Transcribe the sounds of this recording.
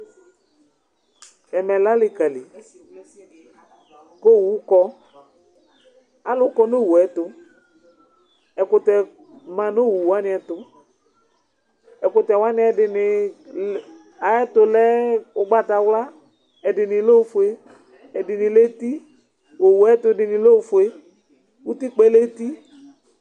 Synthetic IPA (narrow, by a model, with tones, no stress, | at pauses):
ɛ˨mɛ˨la˦lɪ˨ka˨lɪ˨ | ko˦˨wu˨˦kɔ˦ | a˦lʊ˦kɔ˦no˦˨wu˨ɛ˨˦tʊ˨ | ɛ˨kʊ˨tɛ˨ | mã˨no˦wu˨wa˦nɪ˨˦ɛ˨tʊ˨ | ɛ˨kʊ˨tɛ˨wa˦nɪ˦ɛ˨dɪ˨nɪ˨ | a˨ɛ˦tʊ˨lɛ˦ʊ˦ɡ͡ba˦ta˨wla˦ | ɛ˨dɪ˨nɪ˨lo˦fʊ˨e˦ | ɛ˨dɪ˨nɪ˨le˦ti˦ | wo˨wu˨ɛ˦tʊ˨dɪ˨nɪ˨lo˦˨fʊ˨e˨ | wu˦ti˦k͡pɛ˦le˦ti˦